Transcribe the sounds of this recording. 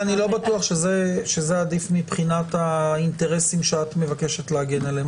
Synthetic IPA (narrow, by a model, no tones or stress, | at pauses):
anilo̞batuaχʃezeʃezeadifmipχinatainte̞ʁe̞simʃeatme̞vake̞ʃe̞tleaɡe̞nalem